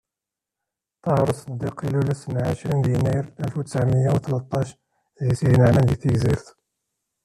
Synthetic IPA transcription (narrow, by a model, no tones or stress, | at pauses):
t̪ˤɑhɾˤsˤəd̪ːiqilulæsənʕaʃɾind̪inæjəɾælfwt̪ə̥sʕməjːæwt̪lɑt̪ˤːɑʃ | isihnəʕnæd̪iθəɡziɾθ